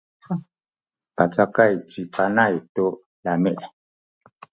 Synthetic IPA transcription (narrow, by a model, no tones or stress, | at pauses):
pat͡sakajt͡sipanajto | lamɛʔ